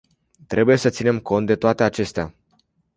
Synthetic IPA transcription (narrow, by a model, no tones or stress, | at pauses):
t̪ɾʔe̞buje̞sət̪sine̞mko̞nt̪̚d̪et̪oat̪e̞at͡ʃe̞st̪ea